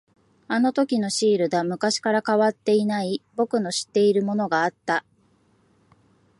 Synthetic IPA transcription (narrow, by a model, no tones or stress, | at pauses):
ano̞t̪o̞kʲino̞ɕiːɾɯ̟d̪amɯ̟kaɕi̥kaɾakaβat̪ːe̞inaibo̞kɯ̟no̞ɕi̥t̪ːe̞iɾɯ̟mo̞no̞ɡaːt̪ːa